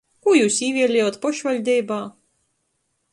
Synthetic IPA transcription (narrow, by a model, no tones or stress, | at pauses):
kujuːsiːʋʲiɛlʲɛːjoːt̪pɔʃʋʲɐlʲd̪ʲɛjbaː